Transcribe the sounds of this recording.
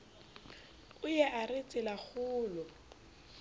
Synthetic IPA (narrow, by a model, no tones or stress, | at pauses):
ʊjɛʔarɪt͡sʼɪlaχʊːlɔ